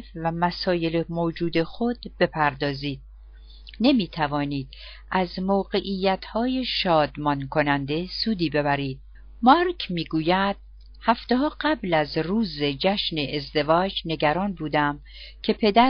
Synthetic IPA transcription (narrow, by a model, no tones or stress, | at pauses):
fvæmæsɒːje̞lemoːd͡ʒuːd̪e̞xod̪̥b̥e̞pʰæɾd̪ɒːziːd̪̚ | ne̞miːt̪ʰævɒːniːd̪̥ | ʔæzmoːɢe̞ʔiːjːæt̪hɒːje̞ʃɒːd̪mɒnkʰo̞nænd̪e̞suːd̪iːbe̞bæɾiːd̪̥̚ | mɒɾcʰmiːɡuːjæd̪̥̚ | hæft̪e̞ɦɒːɢæblæzruːze̞d͡ʒæʃneʔezd̪e̞vɒːd͡ʒne̞ɟæɾɒːnbuːd̪æm | cʰe̞pʰe̞d̪æ